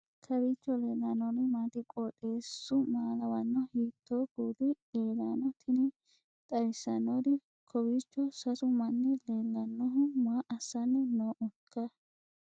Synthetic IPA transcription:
kʰɐbiːt͡ʃːɔleːlːanɔnɪmaːt̪ɪkʼɔːtʼe̞ːsːʊmaːlɐwɐnːɔhiːt̪ːoːɡ̥uːd̪ɪ | eːlaːnɔt̪ʰɪnɪ | t̪ʼɐjsɐnɔd̪ɪ | kʰɔbiːt͡ʃːɔsɐsʊmɐnːɛleːlːɐnːɔɦʊmʊaʔɐsːɐnːɛnoːʔʊkʰːɐ

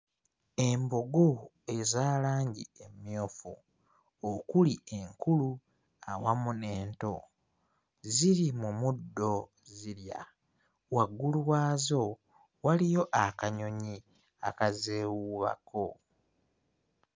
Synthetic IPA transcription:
e̞mboɡo | e̞zaːlaːɲɟiemjo̞ːfṵ | okulie̞ŋkulu | awamuneːnto̞ | ziɾimumudːo̞ | ziɾja̰ | waɡulwaːzo̞ | walijo̞ʔakaɲo̞ɲi | akazeːwuβa̰kʰo

